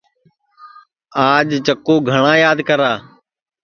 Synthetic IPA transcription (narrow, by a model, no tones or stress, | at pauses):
aːd͡ʒt͡ʃəkːuːɡʱəɳãːjaːd̪kəɾaː